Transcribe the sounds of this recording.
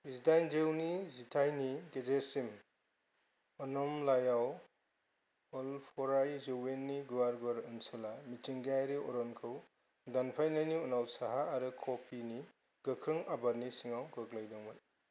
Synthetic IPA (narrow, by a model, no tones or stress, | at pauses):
isdajnzewnizitʰajniɡezeɾsim | ɔnɔmlajaw | ɔlpʰɔɾajzewenːiɡuwaɾɡɔɾɯnselamitiŋɡajɾiɔɾɔnkʰɯw | danpʰajnajniunawsaɦaːɾɯkʰopʰini | ɡ̥ɯkʰɾɯŋabaɾnisiŋawɡɯklajdɔŋmaj